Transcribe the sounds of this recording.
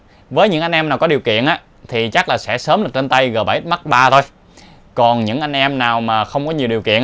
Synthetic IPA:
vəː˨˦jɲɨ̰˧˥ŋʔa˧j̟ʔɛ˧mnaː˨˩wkɔ˨˦ɗi˨˩əwkḭ˧˨ənʔaː˨˦ | t̪ʰi˨˩t͡ɕa˦˥laː˨˩sɛ̰˧˥səː˨˦mɗɨ˨˩k̚t͡ɕe˧nt̪a˧jɣəː˨˩ɓaː˧˩ʔi˦˥t̚ma˦˥t̚ɓaː˧t̪ʰo˧j | kɔ˨˩nɲɨ̰˧˥ŋʔa˧jŋ̟ʔɛ˧mnaː˨˩wmaː˨˩xə˧wŋ͡mkɔ˨˦ɲi˨˩əwɗi˨˩əwkḭ˧˨ən

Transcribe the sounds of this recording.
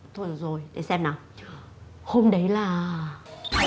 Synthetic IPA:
t̪ʰo˧˩˨zo˨˩jɗe˨˩˦sɛ˧mnaː˨˩ | ho˧mɗə˨˦jlaː˨˩

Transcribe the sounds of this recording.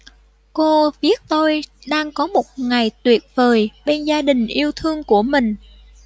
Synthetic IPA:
ko˧vi˦˥ət̚t̪o˧jɗaː˧ŋkɔ˨˦mo˨˩t̚ŋa˨˩jt̪wi˨˩ət̚vəː˨˩jɓe˧nzaː˧ɗï˨˩ŋ̟ʔi˧əwt̪ʰɨ˧əŋku˧˩əmï˨˩ŋ̟

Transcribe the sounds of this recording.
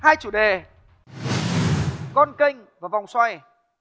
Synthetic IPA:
haː˧jt͡ɕu˧˩ɗe˨˩ | kɔ˧nkə˧ŋ̟vaː˨˩va˨˩wŋ͡mswa˧j

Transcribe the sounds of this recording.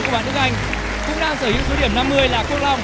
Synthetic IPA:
kwɓaː˧˨nʔɨ˦˥əkʔ̚a˧jŋ̟ | kʊ̰˧˥ŋ͡mɗaː˧ŋsəː˧˩hḭ˧˥wso˨˦ɗi˧˩əmna˧mːɨ˧əjlaː˨˩kwu˧k̚la˧wŋ͡m

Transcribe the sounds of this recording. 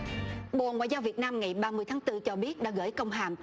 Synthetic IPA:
ɓo̰˨ŋwa̰ː˧˨jzaː˧wvi˨˩ət̚naː˧mŋa˨˩jɓaː˧mɨ˧əjt̪ʰaː˨˦ŋt̪ɨ˧t͡ɕɔ˧ɓi˦˥ət̚ɗa̰˧˥ɣə̰ː˧˥˩jkə˧wŋ͡mɦaː˨˩m

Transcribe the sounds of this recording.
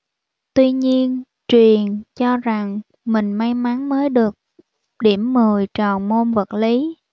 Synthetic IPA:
t̪wi˧ɲi˧ən | t͡ɕwi˨˩ənt͡ɕɔ˧za˨˩ŋ | mï˨˩ŋ̟ma˧jma˨˦nməː˨˦jɗɨ˨˩ək̚ | ɗi˧˩əmːɨ˨˩əjt͡ɕɔ˨˩nmo˧nvə˨˩t̚li˨˦

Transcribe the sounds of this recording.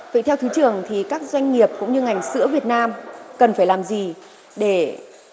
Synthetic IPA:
və̰˧˨jt̪ʰɛ˧wt̪ʰɨ˨˦t͡ɕɨ˨˩əŋt̪ʰi˨˩kaː˦˥k̚zwa˧jŋ̟ŋi˨˩əp̚kʊ̰˧˥ŋ͡mɲɨ˧ŋa˨˩jŋ̟sɨ̰˧˥əvi˨˩ət̚naː˧mkə˨˩nfaː˧˩jlaː˨˩mzi˨˩ | ɗe˧˩

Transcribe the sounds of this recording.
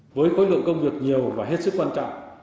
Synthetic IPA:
vəː˨˦jxo˨˦jlɨ̰˧˨ənkə˧wŋ͡mvi˨˩ək̚ɲi˨˩əwvaː˨˩ɦe˦˥t̚sɨ˦˥k̚kwaː˧nt͡ɕɔ̰˧˨wʔ

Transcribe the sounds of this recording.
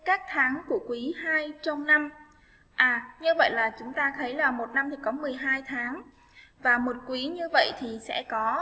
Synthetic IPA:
kaː˦˥k̚t̪ʰaː˨˦ŋku˧˩əkwi˨˦haː˧jt͡ɕɔ˧wŋ͡mna˧m | ʔaː˨˩ɲɨ˧və̰˧˨jlaː˨˩t͡ɕʊ˨˦ŋ͡mt̪aː˧t̪ʰə˨˦jlaː˨˩mo˨˩t̚na˧mt̪ʰi˨˩kɔ˨˦mɨ˨˩əjɦaː˧jt̪ʰaː˨˦ŋ | vaː˨˩mo˨˩t̚kwi˨˦ɲɨ˧və̰˧˨jt̪ʰi˨˩sɛ̰˧˥kɔ˨˦

